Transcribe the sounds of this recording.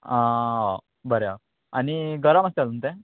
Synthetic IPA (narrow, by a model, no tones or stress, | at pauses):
a | bəɾja | aniɡəɾaməst̪alɦunt̪ẽ